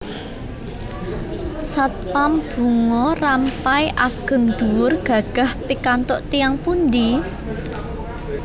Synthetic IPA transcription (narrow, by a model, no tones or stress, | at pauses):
sat̪̚pamb̥ṳŋɔrampaiʔaɡ̥ə̤ŋd̪̥uwʊrɡ̥ä̤ɡ̥a̤hpikant̪ɔʔt̪ijaŋpund̪i